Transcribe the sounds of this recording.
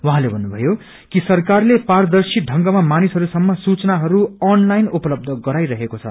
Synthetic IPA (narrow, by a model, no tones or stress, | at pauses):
wʌɦãlebʱʌnːubʱʌ̰jo | kisʌrkarlepard̪ʌrsiɖʱʌŋɡʌmamanisɦʌɾusʌmːʌsut͡sʌnaɦʌɾuʌnlajnupʌlʌb̚d̪ʱʌɡʌɾajɾʌɦekot͡sʰʌ̰